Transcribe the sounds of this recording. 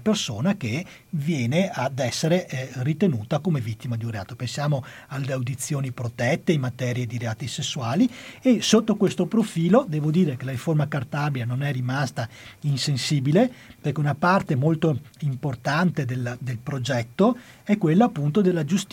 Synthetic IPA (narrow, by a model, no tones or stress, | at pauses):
persoːnake | vjɛːnead̪ɛsːeɾerit̪enuːt̪akomevit̪ːimad̪junrea̰ːt̪opensjaːmo | alːeawd̪it̪sːjoːnipɾot̪ɛt̪ːeimːat̪ɛːɾjed̪iɾeaːt̪isesːuaːliesot̪ːokwest̪opɾofiːlod̪ɛːvod̪iːɾekelaɾiformakart̪abjanonɛrimast̪ainsensiːbileperkeunapart̪emolt̪oimport̪ant̪ed̪elːd̪elpɾod͡ʒɛt̪ːo | ɛkːwelːaːpːunt̪od̪elːad͡ʒust̪